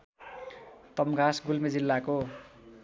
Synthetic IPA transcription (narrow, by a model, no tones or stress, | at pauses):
t̪ʌmɡʱasɡulmed͡zilːako